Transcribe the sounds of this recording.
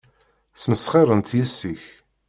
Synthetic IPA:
sməsχɪɾˤənt̪jæsːiç

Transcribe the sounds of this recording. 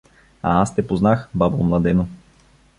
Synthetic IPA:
a̰ast̪ɛpoznaxbabomlˠɐd̪ɛno

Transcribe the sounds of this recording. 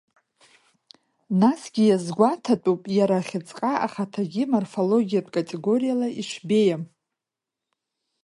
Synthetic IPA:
nasɡʲijazɡʷatʰatʼupʼjaɾaχʲɪt͡sʼqʼaʔaχatʰaɡʲimorfo̞lo̞ɡʲijapʼkʼatʼe̞ɡo̞ɾijalaiʃʷʰbe̞jam

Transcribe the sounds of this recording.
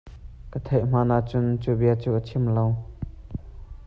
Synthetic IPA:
kət̪ʰejʔm̥aːnaʔt͡sʊnt͡subiɐt͡suːʔətʰimlow

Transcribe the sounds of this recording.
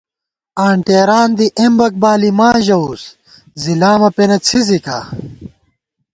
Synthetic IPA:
aːɳʈeːɾaːnd̪iʔembɐk̚baːlimaːʑɐus | zilaːmɐpenɐt͡sʰizika̰ː

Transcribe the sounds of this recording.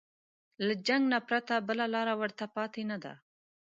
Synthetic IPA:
lad͡ʒaŋɡnapɾat̪abəlalɑɾawəɾt̪apɑt̪enad̪a̰

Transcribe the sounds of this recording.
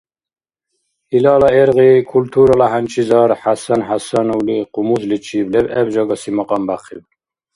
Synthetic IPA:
ilɑːlɑeɾɣikʰult̪ʰuːɾɑlaɦænt͡ʃʰizɑːɾħasanħasanuwliqumuzlit͡ʃʰiblɛbɛbd͡ʒɑːɡɑsimɑqɑmbaχḭb

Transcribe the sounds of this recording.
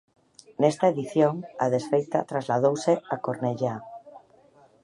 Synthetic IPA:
nest̪aeðiθjoŋaðesfejt̪at̪ɾazlað̞owseakoɾneʎa

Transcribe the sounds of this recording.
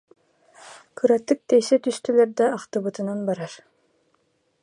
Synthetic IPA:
kʰɯɾat̪ːɯk̚t̪ɛjsɛt̪yst̪ylɛɾd̪aːqt̪ɯβɯt̪ɯnanbaɾaɾ

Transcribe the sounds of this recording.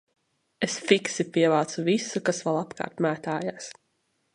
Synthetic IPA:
esfiksipʲiɛvaːt̪suvisukasvalˠapka̰ːɾt̪mæːt̪aːjaːs

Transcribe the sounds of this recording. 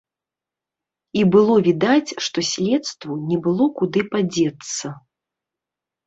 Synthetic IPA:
ibɨlˠɔvʲid̪at͡sʲʂt̪ɔsʲlʲɛt̪st̪vunʲɛbɨlˠɔkud̪ɨpad͡zʲɛt̪sːɐ

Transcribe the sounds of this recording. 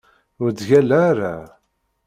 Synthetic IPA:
ʊɾd̪ʝælːaːɾa

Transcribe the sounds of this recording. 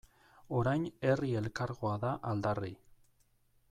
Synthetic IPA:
o̞ɾajne̞rie̞lkaɾɣoaðaʔald̪ari

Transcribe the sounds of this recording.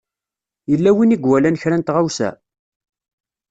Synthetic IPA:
jəlːæwiniɡwælænçɾænt̪ʁawsæ̰

